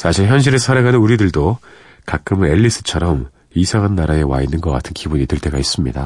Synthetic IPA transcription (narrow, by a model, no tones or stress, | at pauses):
sʰaɕʰiɭçjʌnɕ̬ʰiɾessʰaɾaɡanɯnuɾidɯɭdo | kak͈ɯmɯe̞ʎːis͈ɯ̥t͡ɕʰʌɾʌm | isʰaŋɦanːaɾae̞wa̰inːɯnɡʌk͈a̰tʰɯnkibuɲitɯɭt͈ʰe̞ɡais͈ɯmɲida